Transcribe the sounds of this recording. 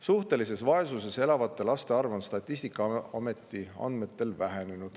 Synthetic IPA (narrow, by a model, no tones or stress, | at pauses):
suht̪e̞lise̞svɑe̞suse̞se̞lɑvɑt̪ːˑe̞lɑst̪e̞ɑrvonst̪ɑt̪ʲˑːisʲt̪ikːˑɑɑme̞t̪ːˑiɑ̰nd̪me̞t̪ːe̞lvæɦene̞nud̪̥